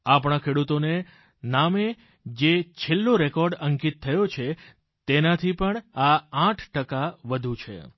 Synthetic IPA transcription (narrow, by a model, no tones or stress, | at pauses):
apɳ̃akʰeɽut̪one | name | d͡ʒet͡ʃʰelːoɾekɔɾɖəŋkit̪ʰːəjot͡ʃʰe | t̪enat̪ʰipəɳaãʈʰʈəkaʋəd̪ʱũt͡ʃʰḛ